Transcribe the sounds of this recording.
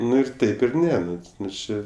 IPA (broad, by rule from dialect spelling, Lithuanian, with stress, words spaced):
ˈnʊ ɪr ˈtɐɪp ɪr ˈnʲɛ ˈnʊ ˈnʊ ˈt͡ʃʲeː